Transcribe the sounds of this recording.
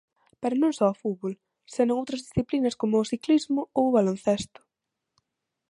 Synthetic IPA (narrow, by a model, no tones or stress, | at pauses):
peɾʊnõŋsɔːfuβol | senõŋowt̪ɾɐzðisθiplinɐskomʊːsiklizmʊoʊβalon̟θest̪ʊ̥